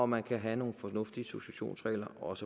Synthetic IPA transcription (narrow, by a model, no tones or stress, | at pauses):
ɒmænkʰæɦæno̝ːn̩fɒ̽nɔ̽fd̥iso̝ɕæɕo̝̰ːnsʁɛ̰ɪlɐʔɒ̽sə